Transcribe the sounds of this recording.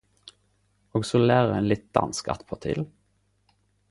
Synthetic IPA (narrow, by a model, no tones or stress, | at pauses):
oːɡsoːlæːʁəʁɛnlɪt̪̚d̪̥ɑ̰nskɑ̰t̪pʰɔt̪ʰḭːl